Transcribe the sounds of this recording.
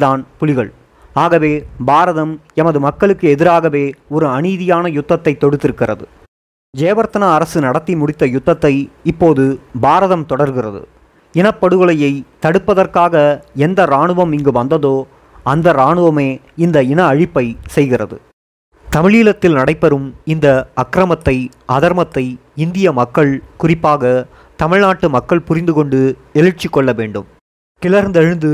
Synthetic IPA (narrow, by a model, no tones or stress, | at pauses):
ðaːnpʊlɪɣɐɭ | aːɣɐʋeːbaːɾɐðɐm | ɛmɐðɯmɐkːɐɭɯkːɯɛðɪɾaːɣɐʋeːɔɾɯɐniːðɪjaːnɐjʊt̪ːɐt̪ːɐɪt̪ːɔɽɯt̪ːɪɾɯkːɪrɐ̰ðɯ̰ | d͡ʒeːʋɐɾt̪ɐnaɐɾɐsɯnɐɽɐt̪ːimʊɽɪt̪ːɐjʊt̪ːɐt̪ːɐɪɪpːoːðɯbaːɾɐðɐmt̪ɔɽɐɾɣɪrɐ̰ðɯ̰ | ɪnɐpːɐɽɯɣɯɭɐjɐɪt̪ɐɽɯpːɐðɐrkaːɣɐɛnd̪ɐɾaːɳɯʋɐmɪŋɡɯʋɐnd̪ɐðoː | ɐnd̪ɐɾaːɳɯʋɐmeː | ɪnd̪ɐɪnɐːɻɪpːɐɪsɛjɣɪrɐðɯ̰ | t̪ɐmɪɭiːlɐt̪ːɪlnɐɽɐɪpːɐɾɯmɪnd̪ɐɐkːɾɐmɐt̪ːɐɪʔɐðɐɾmɐt̪ːɐɪ | ɪnd̪ɪjɐmɐkːɐɭkʊrɪpːaːɣɐ | t̪ɐmɪɻnaːʈːɯmɐkːɐɭpʊrɪnd̪ɯkɔɳɖɯ | ɛlɯɾt͡ʃːɪkːɔɭːɐʋeːɳɖɯm | kɪlɐɾnd̪ɛɻɯnd̪ɯ